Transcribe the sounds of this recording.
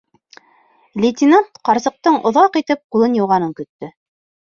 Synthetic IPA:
lʲɪt̪ʲinant̪qɑɾsɤ̆q̚t̪ɤɴʔŏ̰ðɑqit̪ɘp̚qulˠɤnjŭwʁɑnɤŋkɵ̆t̪ːɵ

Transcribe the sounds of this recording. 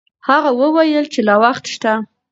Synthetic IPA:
haɣawəwajəlt͡ʃelɑwaxt̪ʃt̪a

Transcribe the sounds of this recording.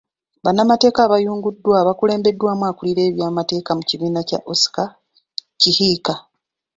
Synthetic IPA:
βanːamate̞ːkaːβajuːŋɡudːwaːβakule̞ːmbe̞dːwaːmwaːkuliɾe̞ːβjaːmate̞ːkamuciβiːnaca̰ʔosi̥ka | cihiːka

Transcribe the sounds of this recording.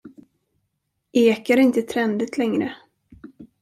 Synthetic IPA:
ʔeːkaɾɪnt̪ət̪ʰɾɛnd̪ət̪ʰlɛŋɾə

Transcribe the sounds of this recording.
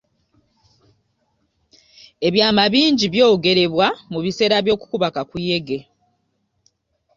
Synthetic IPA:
e̞βjaːmaβiːɲɟiβjo̞ːɡe̞ɾe̞βwamuβise̞ːɾaβjo̞ːku̥kuβakakuje̞ɡe̞

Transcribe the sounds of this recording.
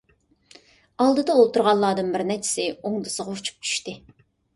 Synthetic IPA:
ɑlˠd̪ɨd̪ɑolˠt̪ʰuɾʁɑlˠːɑːd̪ɨnbɪɾnɛt͡ʃʰɪ̥sɪoŋd̪ɨsəʁɑut͡ʃʰu̥p̚t͡ʃʰy̥ʃt̪ɪ

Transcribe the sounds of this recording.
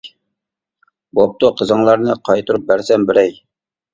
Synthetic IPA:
bop̚t̪uqʰəzəŋlˠɑɾnɨqʰɑjt̪uɾup̚bæɾsɛnbɪɾɛj

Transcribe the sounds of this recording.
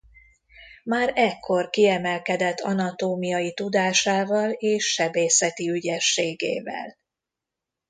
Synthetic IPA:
maːɾɛkʰːo̞rkiɛmɛlkɛd̪ɛt̪ːɒ̰nɒt̪oːmijɒjit̪ud̪aːʃaːvɒleːʃːɛbeːsɛt̪iyɟɛʃːeːɡḛːvɛ̰l

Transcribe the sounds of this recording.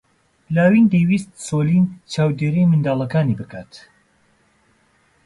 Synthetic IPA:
laːwind̪ejwist̪̚soːliːnt͡ʃʰaːwd̪eːɾijmɨnd̪aːlˠɐkaːnibɨkʰaːt̪

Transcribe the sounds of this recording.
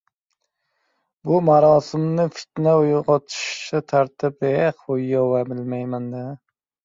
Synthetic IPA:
bʊmaɾɒːsɪmnɪfɪ̥t̪naʊjʁɒt̪ʰɪ̥ʃt͡ʃɪt̪ʰaɾt̪ʰɪp̚eqojːɒwabɪlmajmand̪a

